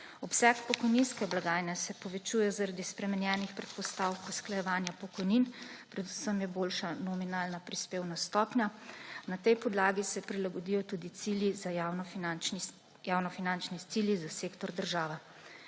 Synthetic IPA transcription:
ɔpsɛkpɔkɔjninskɛblaɡaːjnɛsɛpɔʋɛt͡ʃuːjɛzaɾad̪ispɾɛmɛnjɛːnixpɾɛt̪̚pɔst̪awkuwsklajɛʋaːnjapɔkɔjninpɾɛd̪usəmjɛboːlʃanɔminaːlnapɾispeːwnast̪ɔːpnjanat̪ɛjpɔd̪laːɡisɛpɾilaɡɔd̪ijɔt̪ud̪it̪siːljizaawnɔa | jaːwnɔfinant͡ʃnit̪iljizaseːkt̪ɔɾd̪əɾʒaːʋɛ

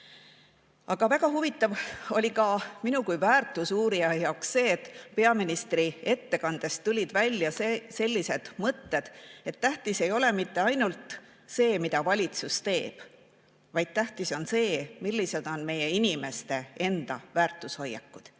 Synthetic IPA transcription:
ɑɡ̥ɑvæɡɑɦuvit̪ːˑɑvo̞lʲikɑminukujvæːrt̪ˑusuːɾiɑjɑoksse̞ːet̪ːˑpe̞ɑminist̪rie̞t̪ːe̞kɑnd̪̥e̞st̪ːulʲid̪̥vælʲjɑsese̞lʲːise̞d̪̥mɤt̪ːe̞d̪̥e̞t̪ːæht̪ise̞jo̞le̞mit̪ːe̞ɑjnult̪ | se̞ːmid̪ɑvɑlʲit̪sust̪e̞ːb̥ | vɑjd̪̥̚t̪æht̪iso̞nse̞ːmilːise̞d̪̥o̞nme̞je̞inime̞st̪e̞e̞nd̪̥ɑvæːrt̪ˑusho̞jːɑ̰kːˑud̪̥

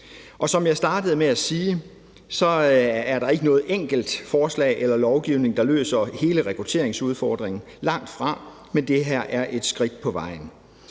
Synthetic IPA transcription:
ʔɒ̽sɒ̽mjɑ̈ɪsd̥ɑ̈ːd̥əð̞̩ˠmeæsiː | sɒ̽æɐɾɑ̈e̝ɡ̥ənɔ̽ːð̩ˠeŋ̰ɡ̥l̩d̥fɒːslɛ̰ːʔelɐlɒʊɡ̥iʊne̝ŋd̥ɑ̈lø̰ːsɐhe̝ːləʁɛkʰʁut͡sʰe̝̰ɐ̰eŋsuð̞ˠfɒːd̥ʁeŋn̩ | lɑ̈ŋ̰d̥fʁɑ̈ | mend̥e̝ɦæɐ̰ʔæɐʔe̝d̥sɡ̥ʁid̥̚pʰɒ̽ʋɑ̈ɪ̰n̩

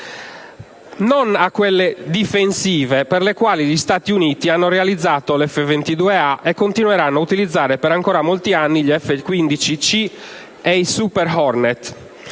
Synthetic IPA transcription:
nonakːwɛlːed̪ifensiːvepɛrlekwaːliʎist̪aːt̪iuniːt̪ianːorɛalid̪zːaːt̪olɛfːevent̪id̪uːeaʔɛkːont̪inwɛɾanːoaut̪ilid̪zːaːɾɛpɛɾaŋkɔːɾamolt̪ianːiʎɛfːekwind̪it͡ʃit͡ʃi | eisupɛɾɦɔɾnɛt̪

